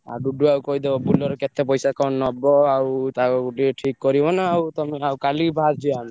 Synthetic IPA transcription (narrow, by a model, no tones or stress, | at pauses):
a̰ɾɖuɖuawkɔɦid̪ebɔbulɔɾɔket̪epɔjsakɔnːɔbɔawt̪akɔɡuɖiʈʰikːɔɾibɔnaːwt̪ɔmeawkalibʱad̪̚t͡ʃʰiami